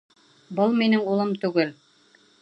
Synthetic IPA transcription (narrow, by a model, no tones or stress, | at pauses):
bɤlˠminɘŋulˠɤmt̪ʉɡɘl